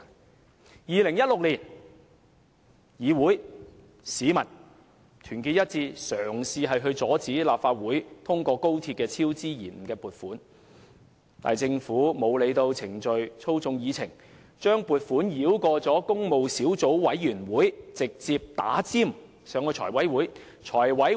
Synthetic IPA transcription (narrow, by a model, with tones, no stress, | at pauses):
jiː˨lɪ˨˩ŋjɐ˥t̚lʊ˨k̚liː˨˩n | jiː˨˧wuː˨˥j | siː˨˧˥mɐ˨˩n | t̪ʰyː˨˩nkiː˧t̚jɐ˥t̚t͡siː˧sœː˨˩ŋsiː˧ɦɐ˨jɦɵ˧ɥt͡sɔː˨˥t͡siː˨˥laː˨˩p̚faː˧t̚wuː˨˥jt̪ʰʊ˥ŋkʷɔː˧ko˥wt̪ʰi˧t̚kɛː˧t͡sʰiː˥wt͡siː˥jiː˨˩m̩˨˩kɛː˧puː˨t̚fuː˨˥n | t̪a̰ː˨jt͡sɪ˧ŋfuː˨˥mo˨˧wle˨˧jt̪o˧wt͡sʰɪ˨˩ŋt͡ʃɵ˨ɥt͡sʰo˥wt͡sʊ˧ŋjiː˨˧t͡sʰɪ˨˩ŋ | t͡ʃœː˥ŋpuː˨t̚fuː˨˥njiː˨˥wkɔː˧t͡sɔː˨˥kʊ˥ŋmo˨wsiː˨˥wt͡so˨˥wwɐ˨˥jːyː˨˩nwuː˨˥jt͡sɪ˨k̚t͡siː˧p̚t̪a̰ː˨˥t͡siː˥m | sœː˨˥ŋkɔː˧t͡ʃʰɔ̰ː˨˩jwɐ˨˥jwuː˨˥j | t͡ʃʰɔː˨˩jwɐ˨˥j